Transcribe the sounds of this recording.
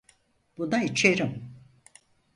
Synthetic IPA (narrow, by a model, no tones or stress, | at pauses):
b̥unait͡ʃʰeɾim